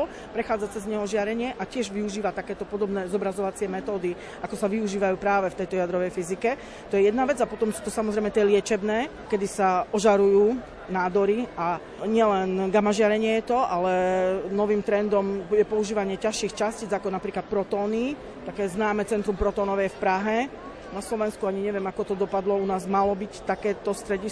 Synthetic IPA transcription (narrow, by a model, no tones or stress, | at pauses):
l | pɾɛxaːd͡zat͡sɛzɲɛɦɔʒɪaɾɛɲɪɛʔacɪɛʒʋiuʒiːʋat̪akɛːt̪ɔpɔd̪ɔbnɛːzɔbɾazɔʋat͡sɪɛmɛt̪ɔːd̪i | ʔakɔsaʋiuʒiːʋajuːpɾaːʋɛft̪ɛjt̪ɔjad̪ɾɔʋɛjfizikɛ | t̪ɔjɛjɛd̪naʋɛd͡zapɔt̪ɔmsuːt̪ɔsamɔzɾɛɪjmɛt̪ɪɛlɪɛt͡ʃɛbnɛː | kɛd̪isaʔɔʒaɾujuː | naːd̪ɔɾia | ɲɪɛlɛnɡamaʒɪaɾɛɲɪɛjɛt̪ɔalɛnɔʋiːmt̪ɾɛnd̪ɔmjɛpɔuʒiːʋaɲɪɛcaʃiːxt͡ʃasciːd͡zakɔnapɾiːklat̪̚pɾɔt̪ɔːni | t̪akɛːznaːmɛt͡sɛnt̪ɾumpɾɔt̪ɔːnɔʋɛjɛfpɾaɦɛ | naslɔʋɛnskuaɲiɲɛʋɪɛmakɔt̪ɔd̪ɔpad̪lɔunaːzmalɔbict̪akɛːt̪ɔst̪ɾɛɟi